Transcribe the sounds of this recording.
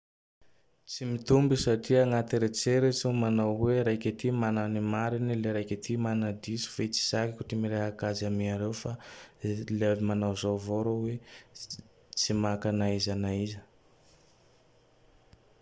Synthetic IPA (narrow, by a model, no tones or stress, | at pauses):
t͡simit̪umbisaʈ͡ʂiaŋat̪iɾet͡seɾit͡sumanawweɾajkʲat̪imananimaɾinileɾajkʲat̪imanad̪isu̥fet͡si̥z̥akikuʈ͡ʂimiɾeɦakazamiaɾewfa | lavimanawzavoɾowe | t͡simakanaizanaizə